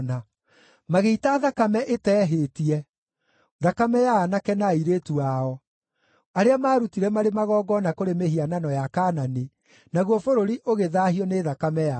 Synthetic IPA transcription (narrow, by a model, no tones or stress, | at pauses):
na | maɣeitaːðakamɛʔetɛːɦetiɛ | ðakamɛjaːnakɛnaiɾetuaɔ | aɾeamaːɾutiɾɛmaɾemaɣɔːɡɔnakoɾemehiananɔjakaːnane | naɣwɔfoɾoɾiʔoɣeðahiɔneːðakamɛja